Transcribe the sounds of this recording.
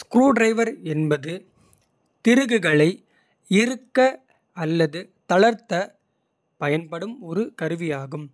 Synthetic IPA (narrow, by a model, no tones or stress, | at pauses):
skɾuːɖɾɐɪʋɐɾɛnbɐðɯ | t̪ɪɾɯɣɯɣɐɭɐɪ | ɪɾɯkːɐ | ɐlːɐðɯ | t̪ɐɭɐɾt̪ːɐ | pɐjɐnpɐɽɯmɔɾɯkɐɾɯʋɪjaːɣɯm